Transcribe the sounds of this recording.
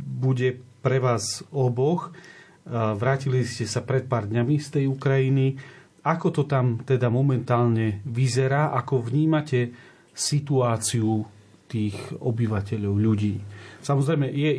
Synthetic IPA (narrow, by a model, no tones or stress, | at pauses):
buɟɛpɾɛʋaːzɔbɔx | ʋɾaːciliscɛsapɾɛt̪̚paːɾd̪ɲamist̪ɛjukɾajini | akɔt̪ɔt̪amt̪ɛd̪amɔmɛnt̪aːlɲɛʋizɛɾaːʔakɔʋɲiːmacɛ | sit̪uaːt͡siu | t̪iːɣɔbiʋacɛʎɔʊʎuɟiːsamɔzɾɛjmɛjɛ